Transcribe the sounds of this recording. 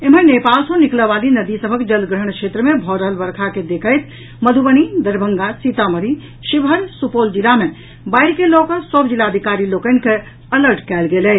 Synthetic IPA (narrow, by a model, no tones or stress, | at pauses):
emənepalsə̃nikləbalinəd̪isəbʱəkd͡ʒəlɡɾəɳ̃kt͡ʃʰet̪ɾəmebʱɔɾəɦəlbəɾkʰaked̪ekʰəjt̪ | məd̪ʱubəñid̪əɾbʱəŋɡasit̪aməɾi | ʃibʱɦəɾsupold͡ʒilame | bajɾkelɔkəɾsəbd͡ʒilaəd̪ʱikaɾilokənke | ələɾʈkɛlɡelɛ